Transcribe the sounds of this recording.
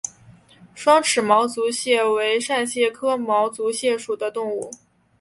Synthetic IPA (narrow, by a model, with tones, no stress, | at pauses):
ʂwɑ˥ŋʈ͡ʂʰɻ̩˨˩mɑ˧˥ʊt͡su˧˥ɕjɛ˥˩we˧˥ɪʂa˥˧nɕjɛ˥˩kʰɤ˥mɑ˧˥ʊt͡su˧˥ɕjɛ˥˩ʂu˨˩d̪ə˦t̪ʊ˥˧ŋu˥˩